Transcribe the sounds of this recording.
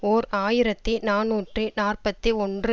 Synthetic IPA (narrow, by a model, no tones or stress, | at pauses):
oːɾaːjɪɾɐt̪ːinaːnuːʈrinaːrpɐt̪ːiɔndrɯ